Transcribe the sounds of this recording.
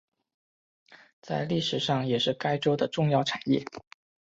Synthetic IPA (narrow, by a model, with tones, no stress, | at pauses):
t͡sa˥˧ɪli˥˩ʂɻ̩˨˩ʂɑ˥˩ŋjɛ˨˩ʂɻ̩˥˩ka˥ɪʈ͡ʂo˥ʊd̪ə˨ʈ͡ʂʊ˥˧ŋjɑ˥˩ʊʈ͡ʂʰa˨˩njɛ̰˥˩